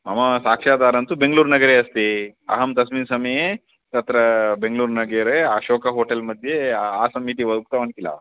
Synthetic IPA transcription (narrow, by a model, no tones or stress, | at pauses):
mɐmɐsaːkʂaːd̪aːɾɐnt̪ubeŋɡluːɾnɐɡɐɾeɐst̪eɐ̰ɦɐmt̪ɐsminsɐmɐje | t̪ɐt̪ɾɐbeŋɡluːɾnɐɡɐɾeaːʃoːkɐɦoːʈɐlmɐd̪ʱjeaːsɐmːiʈiʋɐd̪uk̚t̪ɐʋɐnkilɐ̰